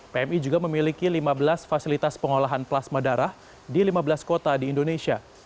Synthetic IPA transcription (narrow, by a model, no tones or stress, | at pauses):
peɛmid͡ʒuɡaməmilikilimabəlasfasilit̪aspəŋolaɦanplasmadaɾah | dilimabəlaskot̪adiːndonesia